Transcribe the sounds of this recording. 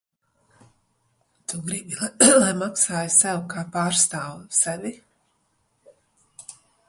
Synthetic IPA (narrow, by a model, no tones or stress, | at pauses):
t̪uɡɾibilˠajmaksaːjusɛwkaːpaːɾst̪aːwsɛvʲi